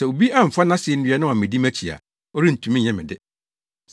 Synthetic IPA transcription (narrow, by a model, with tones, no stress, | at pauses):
sɛ˨o˨bi˦a˦ɱ̩˨fa˦nã˦sɪ˨ɛ˦n̩˦ɥɛ˦nʊ̃˦ã˨mɪ̃˨di˦mæ˦t͡ɕʰi˨a̰˨ | ɔ˦ɾi˦n̩˨tʰũ˨mĩ˦ɲ˨ɛ̃˦mɪ̃˨dɪ˦